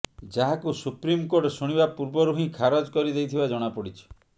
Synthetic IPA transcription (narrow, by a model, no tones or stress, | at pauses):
d͡ʒaɦakusupɾimkoɾʈsuɽ̃ibapuɾbɔɾuɦĩkʰaɾɔd͡ʒkɔɾid̪ejt̪ʰibad͡ʒɔɽ̃apɔɽit͡ʃʰɔ̥